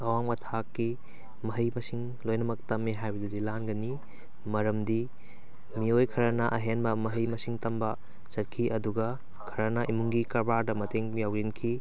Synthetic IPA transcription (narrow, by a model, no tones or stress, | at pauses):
ɐwaŋmɐtʰakːi | mɐɦɐjmɐsiŋ | lojnɐmɐk̚tɐmːiɦajbɐdudilanɡɐni | mɐɾɐmdi | miojkʰɐɾɐnɐʔɐɦenbɐmɐɦɐjmɐsiŋtɐmbɐ | sɐt̚kʰiʔɐduɡɐ | kʰɐɾɐnɐʔimuŋɡikɐɾbaɾdɐmɐteŋjawzinkʰi